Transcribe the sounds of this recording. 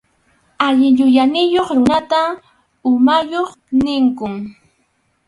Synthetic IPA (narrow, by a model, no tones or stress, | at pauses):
aʎɪʎʊjanɪjoχɾʊnat̪a | ʊmajoχ | nɪŋkʊŋ